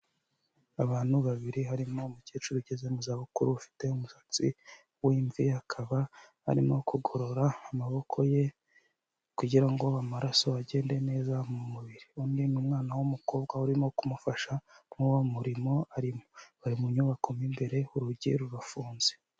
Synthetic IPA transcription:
aβaːn̥huβaβiɾiɦaɾimo̞muceːt͡ʃuɾuɟeze̞muzaːβukuɾuβufi̥te̞umusḁt͡sḭ | wiːɱvihakʰaβaha̰ɾimo̞kʰuɡo̞ɾo̞ɾaːmaβo̞kʰo̞je̞ | kuɟiɾaŋɡo̞βamaɾaso̞aɟe̞ːndene̞ːzamumuβiɾiundimumŋaːnawumuko̞ːb̚ɡahuɾimo̞kumufaʃanuwomuɾimo̞aɾimoβaɾimuɲuβakomimbe̞ɾe̞uɾuɟḭɾuɾafuːnze̞

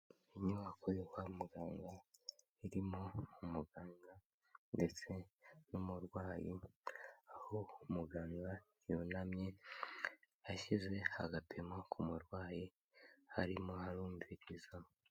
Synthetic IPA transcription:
iɲuβakʰojohwamuɡaːŋɡa | iɾimo̞umuɡaːŋɡa | nde̞t͡se̞numuɾɡwaːji | ahoumuɡaːŋɡa | junamɲe̞ | jaʃize̞ha̰ɡapʰe̞makʰumuɾɡwaːji | haɾimo̞haɾuːmviɾiza

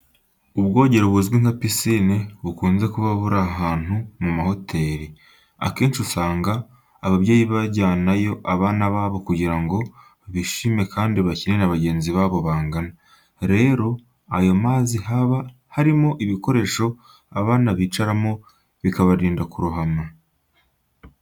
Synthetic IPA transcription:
uβɡo̞ːɟe̞ɾoβuzɡwiŋapisineβukuːnze̞kuβaβuɾaɦaːn̥humumaho̞tʰe̞ɾi | a̰keːnsiusaːŋɡaː | βaβje̞ːjiβaɟaːnajo̞ʔaβaːnaβaːβo̞kuɟiɾaŋɡo̞ | βiʃime̞kʰaːndiβacinenaβaɟe̞ːnziβaːβo̞βaːŋɡana | ɾe̞ːɾo̞ | ajo̞maːzihaβa | haɾimo̞ʔiβiko̞ɾe̞ːʃo̞ | aβaːnaβiːt͡ʃaɾamo̞ | βikaβaɾiːndakuɾuɦama

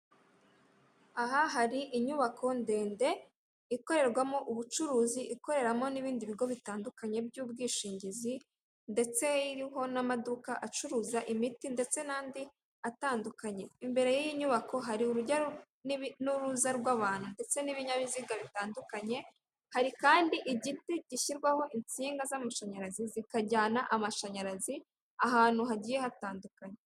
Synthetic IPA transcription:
aɦaɦaɾiʔiɲuβakʰo̞nde̞ːnde̞ | iko̞ɾe̞ɾɡwamo̞ʔuβut͡ʃuɾuːziʔiko̞ɾe̞ɾamo̞niβiːndiβiɡo̞βitaːndukaɲe̞bjuːb̚ɡiːʃiːɲɟizi | nde̞t͡se̞iɾiɦo̞namadukaʔat͡ʃuɾuzaʔimitinde̞t͡se̞naːndi | ataːndukaɲe̞imbe̞ɾe̞jijiɲuβako̞ɦaɾiuɾuɟa | nuɾuzaɾɡwaːβaːn̥hunde̞t͡se̞niβiɲaβiziɡaβitaːndukaɲe̞ | haɾikaːndiʔiɟiteɟ̥iʃiɾɡwaho̞ʔint͡siːŋɡazamaʃaɲaɾazizikaɟaːnaʔamaʃaɲaɾazi | aɦaːn̥huɦaɟiːje̞hataːndukaɲe

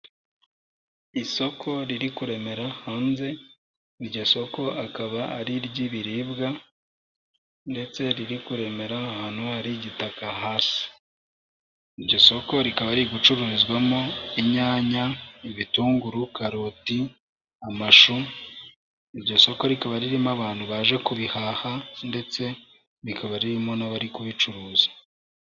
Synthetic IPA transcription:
iso̞kʰo̞ɾiɾikuɾe̞me̞ɾahaːnze̞ | iɾɟoso̞ko̞akaβaa̰ɾiɾɟiβiɾiːbɡa | nde̞t͡se̞ɾiɾikuɾe̞me̞ɾahaːn̥huaɾiɟitakaɦaːsi̥ | iɾɟo̞so̞ko̞ɾikaβaɾiɡut͡ʃuɾuɾizɡwamoiɲaːɲaiβituːŋɡuɾukaɾoti | amaʃu | iɾɟo̞so̞ko̞ɾikaβaɾiɾimaβaːnhuβaːʒe̞kuβihahande̞t͡se̞ | ɾikaβaɾiɾimonaβaɾikuβit͡ʃuɾuːzḁ

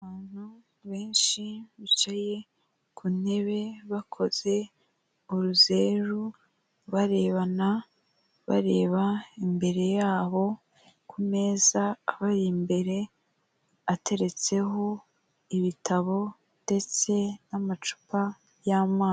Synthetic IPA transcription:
aaβaːn̥hu | βe̞ːnʃiβit͡ʃaje̞ | kʰun̥e̞βe̞βakʰo̞ze̞ | uɾuze̞ɾu | βaɾe̞ːβana | βa̰ɾe̞ːβaimbe̞ɾe̞jaːβo̞ | kʰume̞ːzaːβaɾimbe̞ɾe̞ | atʰe̞ɾe̞t͡se̞ɦo̞ | iβitʰaβo̞ | nde̞t͡se̞namat͡ʃu̥pa | jamaː

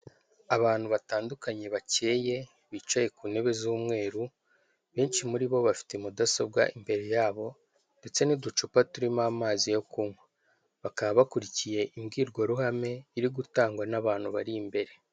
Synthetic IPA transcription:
aβaːn̥huβataːndukaɲe̞βace̞ːje̞ | βiːt͡ʃaje̞kuːne̞βe̞zuːmŋe̞ːɾu | βe̞ːnt͡ʃimuɾiβo̞βafi̥temudasob̚ɡa̰ʔimbe̞ɾe̞jaːβo̞ | nde̞t͡se̞nidut͡ʃupatuɾimamaːzijo̞kumwe | βakaβaβakuɾicije̞ʔimɡiːɾɡwaɾuhame̞iɾiɡutaːŋɡwanaβaːn̥huβaɾiːmbe̞ɾe̞

